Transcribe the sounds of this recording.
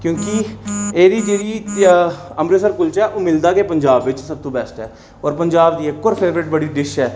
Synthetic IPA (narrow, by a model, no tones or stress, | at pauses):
kjõːkieːɾiːd͡ʒeːɾiː | əmɾesəɾkʊlt͡ʃɛːʔoːmɪld̪aːkepəɲd͡ʒaːbʋɪt͡ʃsəb̚t̪õːbɛːsʈɛː | ɔːɾpəɲd͡ʒaːbd̪iːekːɔːɾpʰeːʋɾɪʈ̚bəɽiːd̪ɪʃɦɛː